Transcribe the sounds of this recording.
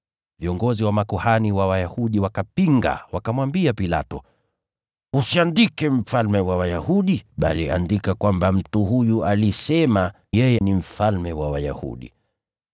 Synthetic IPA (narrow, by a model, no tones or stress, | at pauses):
viɔŋɡɔziwamakuhaniwawajahuɗiwakapiŋɡa̰wakamwambiapila̰tɔ | usiandikɛm̩falmɛwawajahuɗiɓa̰liʔa̰ndikakwambam̩tuhujualisɛma | jɛjɛnim̩falmɛwawaja̰hṵɗḭ